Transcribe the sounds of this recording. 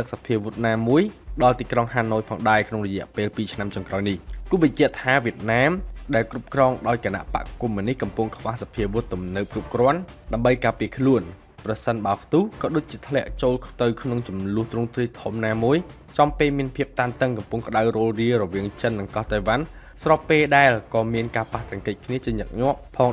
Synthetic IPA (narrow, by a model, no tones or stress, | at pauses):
t̪ɨk̚sapʰiəʋut̪̚naːmuəjɗɑlt̪iːkroŋhaːnoːjpʰɑːŋɗaɛkʰnoŋrɔjɛ̆əʔpeːlpiːt͡ɕʰnamt͡ɕɔŋkraɔjnihkuəɓɑɲt͡ɕɛ̆əʔt̪ʰaːʋiət̪̚naːmɗaɛlkrup̚krɑːŋɗaɔjkana̰ʔpa̰ʔkumːiənihkɑmpʊŋkʰʋahsapʰiəʋut̪ːumnɨp̚krup̚krŏən | ɗaəmɓəjkaːpiəkʰluən | prɑsənɓaəpʰt̪uhkɑːɗoːc̚t͡ɕiət̪ʰlɛ̆əʔt͡ɕoːlt̪ɨwkʰnoŋt͡ɕumlʊ̆əht̪rʊŋt̪riːt̪ʰumnaːmuəj | t͡ɕɑmpeːlmiənpʰiəp̚t̪aːnt̪əŋkɑmpuŋkə̆ɗawroːlriərɔʋiəŋt͡ɕənːɨŋkɑht̪ajʋan | srɑpːeːlɗaɛlkɑːmiənkaːpaht̪ɛ̆əŋkɨc̚kʰniət͡ɕiəɲək̚ɲŏəʔpʰɑːŋ